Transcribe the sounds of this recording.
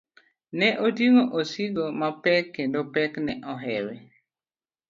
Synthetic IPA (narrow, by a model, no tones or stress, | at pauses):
nɛʔotjiŋoʔosiɡomapɛkːendopɛknɛʔɔɦɛwe